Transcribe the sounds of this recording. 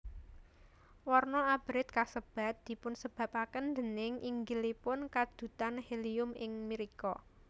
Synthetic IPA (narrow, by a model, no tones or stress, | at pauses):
wɔrnɔab̥ɾɪt̪̚kasəb̥a̤t̪̚d̪̥i̤pʊnsəb̥ä̤pakənd̪ənɪŋʔiŋɡilipʊnkad̪̥ṳt̪anheliʊmɪŋmiɾikɔ